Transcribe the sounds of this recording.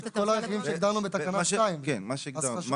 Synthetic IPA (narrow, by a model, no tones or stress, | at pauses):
kolaexvimʃeɡd̪aʁnubet̪akanaaimkenmaʃeɡza